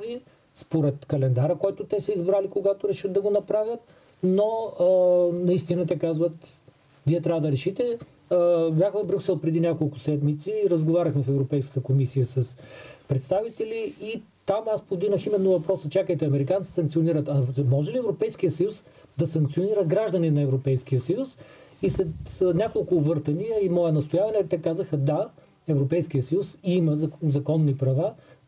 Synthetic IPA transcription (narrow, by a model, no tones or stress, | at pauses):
vi | spoɾɛt̪kɐlɛnd̪aɾəkɔjt̪ʊt̪ɛsɐizbɾalikoɡat̪oɾɛʃəd̪̚d̪ɐɡonɐpɾavʲjət̪̚ | no | nɐist̪inət̪̬ɛkazvət̪ | viɛt̪ɾavəd̪ɐɾɛʃit̪ɛ | bʲjaxəvbɾʲuksɛlˠpɾɛd̪inʲakolˠkʊsɛd̪mit̪siɾəzɡovaɾʲəxmɛfɛvɾopɛjskə̥t̪əkomisijəsəspɾɛt̪st̪avit̪ɛliit̪amaspovd̪iɡnəximɛnːʊvɐpɾɔsət͡ʃakəjt̪ɛɐmɛɾikant̪i̥sɐ̃ŋk̪̚sioniɾət̪ɐmɔʒɛliɛvɾopɛjskijəsɐjus | d̪ɐsɐŋkt̪sioniɾəɡɾaʒd̪əninɐɛvɾopɛjsk̟ijəsɐjusislɛt̪nʲakolˠkʊvɤɾt̪ɐniəimɔɛnɐst̪ojavɐnɛt̪ɛkazəxəd̪a | ɛvɾopɛjskijəsəjusiməzzɐkɔnːipɾɐva